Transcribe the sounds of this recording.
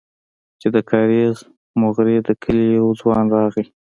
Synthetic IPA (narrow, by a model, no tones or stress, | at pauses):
t͡ʃed̪əkʰɑɾez | mʊɣɾed̪əkʰəlijawd͡zwɑnɾɑɣi